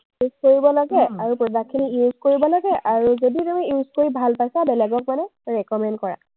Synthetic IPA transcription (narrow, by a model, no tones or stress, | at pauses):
juzkoɹibɔlaɡɛaɹupɹɔdakʰːinijuzkoɹibɔlaɡɛʔaɹuzoditamɛjuzkoɹibʱalpajsabɛlɛɡɔk̚manɛɹɛkɔmɛndkɔɹa̰